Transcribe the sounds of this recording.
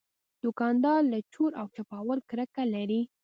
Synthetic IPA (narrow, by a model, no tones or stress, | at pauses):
d̪ʊkɑnd̪ɑɾlat͡ʃuɾʔawt͡ʃapɑwəlkɾəkalaɾi